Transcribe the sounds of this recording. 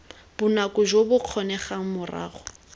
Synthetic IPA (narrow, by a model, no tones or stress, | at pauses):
b̥ʊnakʼʊʒobʊq͡χʰɔnɛχaŋ̩mʊra̰ːχɔ